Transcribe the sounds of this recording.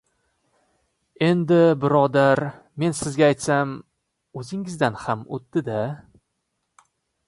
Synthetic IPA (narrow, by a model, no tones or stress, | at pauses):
e̞nd̪ɪbɪɾɒd̪aɾ | me̞nsɪzɡʲaːjt̪sam | ɵzɪŋɪzd̪anhamo̰t̪d̪ɪd̪a